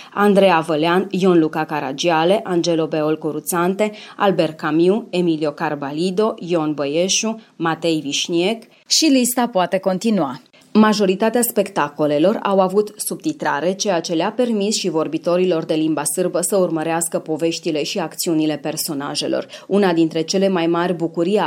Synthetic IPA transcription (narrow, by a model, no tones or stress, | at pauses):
and̪ɾe̞avəleanjo̞nlukakaɾa̰d͡ʒiale̞ʔand͡ʒe̞lo̞be̞o̞lkoɾut̪sant̪e̞albe̞rkamiue̞milio̞karbalid̪o̞jonbəje̞ʃumat̪e̞jviʃnie̞k | ʃilist̪apoat̪e̞ko̞nt̪inua | maʒo̞ɾit̪at̪easpe̞kt̪ako̞le̞lo̞ra̰wavut̪sub̚t̪it̪ɾa̰ɾe̞t͡ʃe̞jat͡ʃe̞lape̞rmisʃivo̞rbit̪o̞ɾilo̞rd̪e̞limbasɨrbəsəurməɾeaskəpo̞ve̞ʃt̪ile̞ʃiakt̪siunile̞pe̞rso̞naʒe̞̰lo̞̰runad̪int̪ɾe̞t͡ʃe̞le̞majmarʲbukuɾi